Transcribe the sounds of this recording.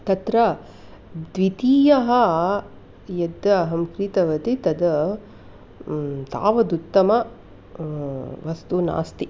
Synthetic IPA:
t̪ɐt̪ɾɐ | d̪ʋit̪iːjɐɦɐ | jɐd̪ɐɐɦɐmkɾit̪ɐʋɐt̪it̪ɐd̪ɐ | t̪a̰ːʋɐd̪ut̪ːɐmɐ | ʋɐst̪una̰ːst̪i

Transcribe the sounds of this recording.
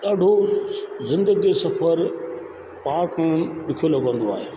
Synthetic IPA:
ɗaːɖʱo | zɪ̃nd̪əɡisɐfəɾ | paːkañɗʊkʰjolɐɡə̃n̆d̪oa̰ːɦeː

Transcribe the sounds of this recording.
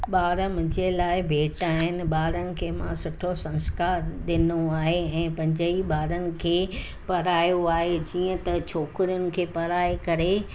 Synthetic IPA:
ɓaːɾəmʊ̃ɲd͡ʑelaːɪbʱeːʈaːɦɪnɪ̆ɓaːɾənɪ̆kʰeːmã̰sʊʈʰosɐ̃nskaːɾɗɪnoaːɦeɛ̃ːpɐ̃ɦɲd͡ʑəiɓaːɾənɪ̆kʰeː | pɐɾaːjoaːɦed͡ʑiːə̃t̪ɐt͡ɕʰoːkɪɾjʊnɪ̆kʰeːpɐɾaːekɐɾe

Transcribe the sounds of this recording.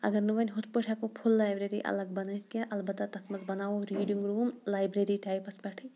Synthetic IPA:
ɐ̰ɡɐɾnɨʋɐnʲɦʊt̪ʰpəʈʰakopʰulːaːjbɾeɾḭʔɐ̰lɐɡ̚bɐnɐt̪kʲeʔɐlbɐt̪ːɐt̪ɐt̪ʰmɐzbɐnaːʋoɾiːɖiŋɡɾuːmlaːjbɾeɾiʈaːjpɐspɐʈʰi

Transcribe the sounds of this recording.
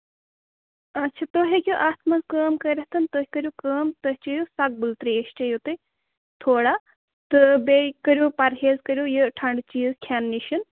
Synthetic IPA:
ɐtːt͡ʃʰɐt̪oɦekʲjuʔaːt̪mɐzkəːmkɐɾʲɐɦt̪ɐnt̪oɦʲikɐɾʲjukəːmt̪ɐɦʲit͡ʃɐjosɐk̚bult̪ɾieʃt͡ʃɐjot̪ɨ | t̪ʰoːɽa | t̪ɨbekɐɾʲjupɐɾɦeːzkɐɾʲjujəʈʰɐɳɖt͡ʃiːzkʰʲaːnːiʃɐn

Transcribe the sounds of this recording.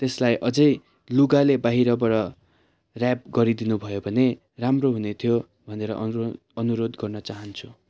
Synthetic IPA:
t̪eslajʔʌd͡zʌj | luɡalebaɦiɾʌbʌɾʌ | rap̚ɡʌɾid̪inubʱʌjobʱʌne | ramroɦunet̪ʰijo | bʱʌneɾʌ̰ʔ | ʌnuɾod̪ɡʌrnʌt͡saɦʌnt͡sʰu̥

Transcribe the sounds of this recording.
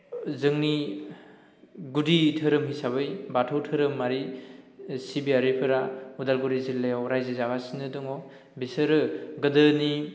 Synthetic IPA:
zɯŋni | ɡuditʰɯɾɯmɦijsaβɯjbatʰɯwtʰɯɾɯmːaɾi | sibiaɾipʰɯɾaudalɡuɾizilːajawɾajzezaɡasinɯdɯŋɔ | bisɯɾɯɡɯdɯni

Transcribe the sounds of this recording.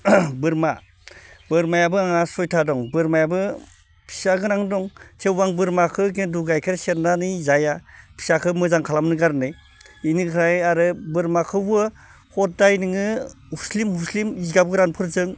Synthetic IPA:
bɯɾma | bɯɾmajabɯaŋasɔjtʰadɔŋbɯɾmajabɯ | pʰi̥saɡɯnaŋdɔŋtʰewbaŋbɯɾmakʰɯkenduɡajkʰɯɾseɾdanizajapʰi̥sakʰɯmɯzaŋkʰalamnɯɡaɾnɯj | inɯkʰɾajaɾɯbɯɾmakʰɯbɯ | hɔt̚dajnɯŋɯ | huslimhuslimizɡabɡɯɾanpʰɯɾzɯŋ

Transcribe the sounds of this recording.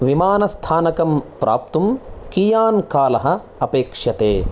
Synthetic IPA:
ʋimaːnɐst̪ʰaːnɐkɐmpɾʔa̰ːp̚t̪umkiːjaːnkaːlɐɦɐ̆ | ɐpeːkʂjɐt̪eː

